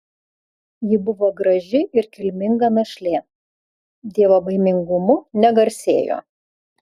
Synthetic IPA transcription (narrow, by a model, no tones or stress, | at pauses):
jɪbʊʋoːɡɾɐʒʲɪɪɾkʲɪlʲmʲɪŋɡɐmʲɛʃʲlʲeː | d̪ʲiɛʋoːbɐɪmʲɪŋɡʊmʊnʲɛɡɐɾʲsʲeːjo̰ː